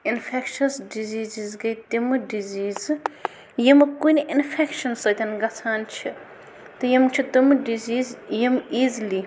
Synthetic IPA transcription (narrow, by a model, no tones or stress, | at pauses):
inpʰekʃɐsɖiziːzizɡɐjt̪imɨɖiziːz | jimɨkunʲiʔinfʰekʃɐnsɐt̪ʲɐnɡɐt͡sʰaːnt͡ʃʰi | t̪ɨjɐmt͡ʃʰit̪ɨmɨɖiziːzjimiːzli